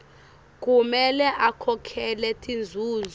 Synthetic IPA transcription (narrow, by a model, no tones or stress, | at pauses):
k̬ʼumɛlɛʔakʰɔkʰɛlɛtʼind͡zʱuːz